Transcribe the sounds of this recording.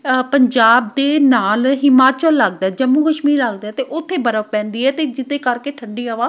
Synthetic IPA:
pəɲd͡ʒaːb̚d̪eːnaːlɦɪmaːt͡ʃəlːəɡd̪aːɛːd͡ʒəmːuːkəʃmiːɾəɡd̪aɛːt̪eːʔʊt̪ʰːeːbəɾəpɛ̃ːnd̪iːɛːt̪eːd͡ʒɪt̪ẽːkəɾkeːʈʰəɳɖiːaːʋaː

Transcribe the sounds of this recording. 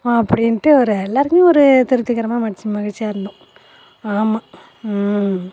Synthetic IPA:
ɐpːɐɽɪnʈːɯɔɾɯɛlːaːɾɯkjẽɔɾɯt̪ɪɾɯt̪ːɯkːɐɾɐmaːmɐɽɪt͡ʃːɯ̃mɐɣɐɻt͡ʃːijaːɪɾɯnd̪ʊ̃ | aːmːaː

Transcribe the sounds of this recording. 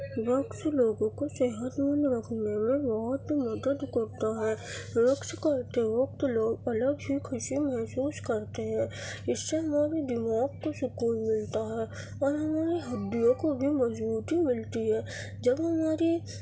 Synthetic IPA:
ʋəkʃloːɡõkoseɦət̪mənɾəkʰnemẽbɔɦʊt̪mɐd̪əd̪kɐɾt̪aɦɛːɾəkʃkɐɾt̪eɦoːɡ̚t̪oloːɡ̚ɐləɡɦikʰʊʃimɛɦsuːskɐɾt̪eɦɛ̃ː | ɪsːeɦɐmaːɾid̪ɪmaːkkosʊkuːlmɪlt̪aɦɛː | ɔːɾɦɐmaːɾiɦɐd̪ːijõkobʱimɐzbuːt̪imɪlt̪iɦɛː | d͡ʒɐbɦɐmaːɾi

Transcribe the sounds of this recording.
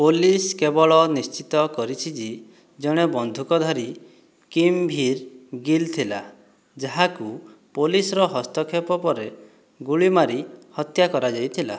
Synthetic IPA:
poliskebɔɭɔnist͡ʃit̪ɔkɔɾit͡ʃʰid͡ʒi | d͡ʒɔɽ̃ebɔnd̪ʱukɔd̪ʱaɾi | kimbʱiɾɡilt̪ʰila | d͡ʒaɦakupolisɾɔɦɔst̪ɔkʰepɔpɔɾe | ɡuɭimaɾihɔt̪jakɔɾad͡ʒajt̪ʰila

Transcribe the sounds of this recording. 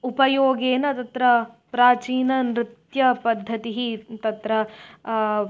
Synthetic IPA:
upɐjoːɡeːnɐt̪ɐt̪ɾɐpɾaːt͡ʃiːnɐnɾɪt̪jɐpɐd̪ʱːɐt̪iɦit̪ɐt̪ɾɐ

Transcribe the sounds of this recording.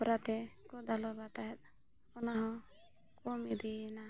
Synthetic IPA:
pɔɾat̪ɛkɔd̪alɔbat̪aɦɛt̪̚ | ɔnaɦɔ̃ | kɔmid̪ina

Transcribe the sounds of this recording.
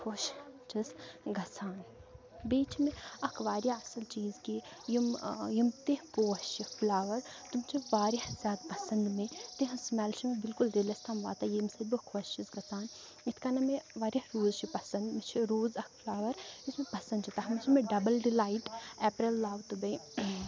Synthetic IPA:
kʰoːʃt͡ʃisɡɐsʰaːn | biːt͡ʃʰimeɐkʰʋaːɾjaɐsɐlt͡ʃiːzkijimjimt̪eɦpoːst͡ʃiflaːʋɐɾt̪umt͡ʃʰiʋaːɾjɐhzʲjaːd̪pɐsɐnd̪met̪eɦɐ̃smɛlt͡ʃʰimebilkulɾilɐst̪ʰamʋa̰ːt̪ɐjimsɐbɨkʰʋɐst͡ʃisɡɐsaːn | it̪ʰkanɐmeʋaːɾʲjɐhɾuːzt͡ʃʰipɐsɐnd̪met͡ʃʰiɾuːzɐkʰflaːʋɐɾismẽpɐsɐnd̪t͡ʃʰit̪ɐɦɐmt͡ʃʰimeɖɐbɐlɖilaːiʈɛːpɾɐlːaːwt̪ubɐj

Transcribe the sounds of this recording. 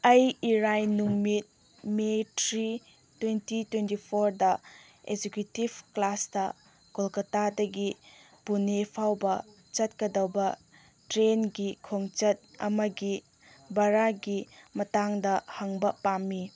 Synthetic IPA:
ɐjiɾajnuŋmit̚ | metɾi | twentitwentipʰoɾdɐ | ḛd͡ʒekjutibklasdɐ | ɡ̥olkɐtadɐɡi | punepʰawbɐ | t͡ʃɐt̚kɐdɐwbɐ | tɾenɡikʰoŋt͡ʃɐt̚ɐ̰mɐɡi | bɐɾaɡimɐtaŋdɐhɐŋbɐpamːi

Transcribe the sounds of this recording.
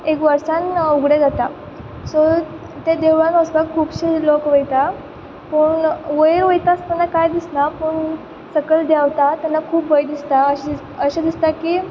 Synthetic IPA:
ekʋəɾsanuɡɽed͡zat̪a | so | t̪ed̪eʋanəst̪akʰːuːpɕilokʋəjt̪a | pəɳʋəjɾʋəjt̪ast̪anːakajd̪isnapəɳ | səkəld̪jaʋt̪at̪anːakʰuːpbəjd̪ist̪aəɕ | əɕad̪ist̪akiː

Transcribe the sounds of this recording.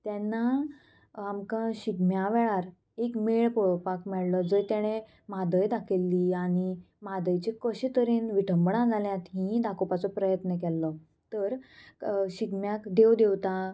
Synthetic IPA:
t̪jɛnːa | amkãɕiɡmjaʋɛɭaɾ | ekmeɭpɔɭpakmɛɭlɔd͡zəjt̪jaɽ̃e | mad̪əjd̪akʰelːiaɽ̃i | mad̪əjt͡ɕikəɕit̪əɾeːnʋiʈʰəmbɳãd͡zʱaljãt̪ɦĩd̪akopat͡sɔpɾəjət̪nək̬ɛlːɔ | t̪əɾ | ɕiɡmjakd̪ewd̪ewt̪a

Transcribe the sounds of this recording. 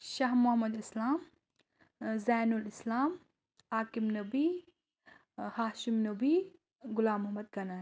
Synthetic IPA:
ʃaɦmʊɦɐmɐd̪islaːm | zaːnulɪslaːm | aːkimnɐbi | haːʃimnɐbi | ɡʊlaːmːʊɦmɐd̪̚ɡɐnaː

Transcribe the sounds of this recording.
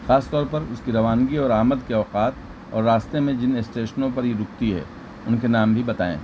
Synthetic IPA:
xaːst̪ɔːɾpɐɾʊskiɾɐʋaːnɡiɔːɾaːməd̪keɔːqaːt̪ | ɔ̰ːɾːaːst̪emẽd͡ʒɪnesʈeːʃənõp̬ɐɾɦiɾʊk̚t̪iɦɛ̰ː | ʊnkenaːmbʱibɐt̪a̰ːḛ̃ː

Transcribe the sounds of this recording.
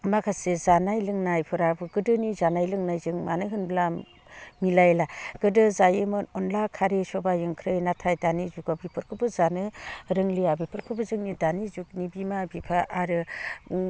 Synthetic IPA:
makʰasezanajlɯŋnajpʰɯɾabɯɡɯdɯnizanajlɯŋnajzɯŋma̰nɯjɦɯnbla | milajlaɡ̥ɯdɯzajemɯnɔnlakʰaɾesɔbajɯŋkʰɾɯjnatʰajdanizuɡabipʰɯɾkʰɯbɯzanɯɾɯŋlijabipʰɯɾkʰɯbɯzɯŋnidanizuk̚nibimabipʰaʔaɾɯ

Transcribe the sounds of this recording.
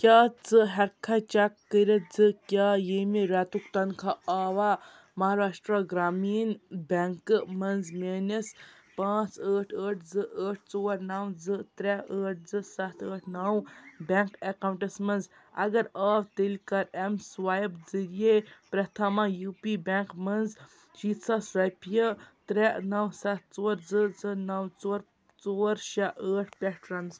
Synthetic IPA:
kʲaːt͡sɨɦɐɾkʰːɐt͡ʃɐkːəɾɐd͡zɨkʲjaːjeːmiɾɛːt̪ukt̪ɐnkʰaaːʋa | mɐɦaːɾaːʂʈɾaɡɾaːmiːnbʲeŋkɨmɐnzmeːnɐs | pãːt͡səːʈʰəːʈʰd͡zɨʔəːʈʰt͡soːɐɾnawd͡zɨt̪ɾɛəːʈ̚ʰd͡zɨsɐt̪ʰəːʈʰnawbʲɛŋkekawɳʈɐsmɐnz | ɐ̰ɡɐɾaːwt̪elʲkɐɾemswaːjbd͡zɨɾijepɾɐt̪ʰamajuːpibʲeŋkmɐnz | ʃiːt̪sasɾajpjət̪ɾɛʔnɐwsɐt̪̚ʰt͡soːɾd͡zɨd͡zɨnɐwt͡soːɾ | t͡soːɾʃaʔəːʈʰpʲɛʈɾɐnz

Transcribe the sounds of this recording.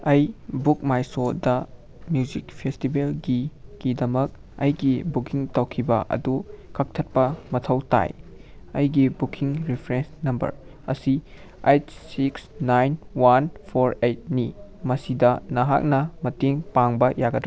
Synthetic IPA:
ɐjbuk̚majsodɐ | mjuzikpʰestibelɡiɡ̥idɐmɐk̚ɐjɡibukiŋtɐwkʰibɐʔɐ̰dukʰɐk̚tʰɐt̚pɐmɐtʰɐwta̰j | ɐjɡibukʰiŋɾipʰɾensnɐmbɐ̰ɾ | ɐ̰si | ejtsiksnajnwanpʰoɾejt̚nimɐsidɐnɐɦa̰k̚nɐmɐteŋpaŋbɐjaɡɐtʰː

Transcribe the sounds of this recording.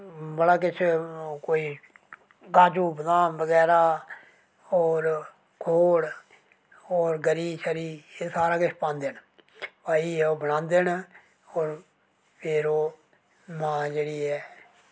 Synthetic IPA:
bəɽaːk̬ɪt͡ʃʰkoːiː | ɡaːd͡ʒuːbd̪ãːbəɡɛːɾaː | oːɾ | kʰoːɽ | oːɾɡəɾiːʃəɾiːeːsaːɾaːkɪt͡ʃʰpãːnd̪eːn | paːiːɛoːbəñãːnd̪eːn | ɔːɾ | pʰeːɾoː | nãːd͡ʒeːɽiːɦɛː

